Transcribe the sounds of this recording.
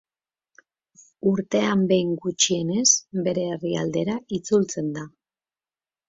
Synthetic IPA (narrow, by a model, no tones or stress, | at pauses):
uɾt̪e̞ambe̞jŋɡut͡ʃie̞ne̞sbe̞ɾe̞ːriald̪e̞ɾaʔit͡sult͡se̞nd̪a